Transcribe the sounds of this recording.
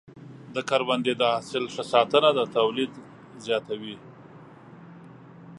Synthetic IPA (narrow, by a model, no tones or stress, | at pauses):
d̪əkaɾband̪ed̪əasɪlʂəsɑt̪ənad̪ət̪awlid̪ | zjɑt̪awi